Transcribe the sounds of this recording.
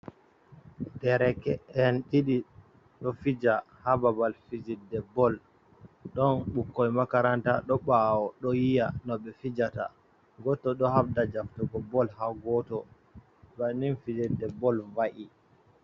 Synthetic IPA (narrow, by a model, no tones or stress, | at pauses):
dɛɾɛkɛɛnɗiɗi | ɗɔfid͡ʒa | hababalfid͡ʒidɛbɔl | ɗɔnɓukːɔjmakaɾantaɗɔɓawɔɗɔjijanɔɓɛfid͡ʒata̰ | ɡɔtːɔɗɔhabdad͡ʒaftuɡɔbɔlhaɡɔtɔ | baninfid͡ʒɛdɛbɔlvaʔi